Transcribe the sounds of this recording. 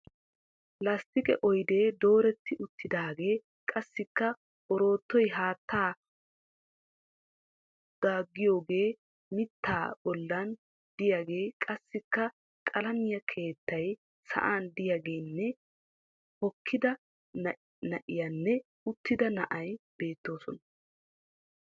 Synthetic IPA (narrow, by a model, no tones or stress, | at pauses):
lɐst̪ɪkʼɛ̰ʔɔjd̪e̞ːd̪o̞ːɾɛt̪ːɪʔʊt̪ːɪd̪aːɡe̞ː | kʼɐsːɪkːɐ | ɔɾo̞ːt̪ːɔjɦaːt̪ːaː | d̪̥aːɡːɪjo̞ːɡe̞ː | mɪt̪ːaːbɔlːɐn | d̪ɪjaːɡe̞ːkʼɐsːɪkːɐ | kʼɐlɐmɪjɐkʰe̞ːt̪ːɐj | sɐ̰ʔaːnd̪ɪjaːɡe̞ːnːɛ | hɔkʰːɪd̪ɐ | nɐʔɪjanːɛ | ʊt̪ːɪd̪ɐnɐʔɐjb̥e̞ːt̪ːo̞ːsɔnɐ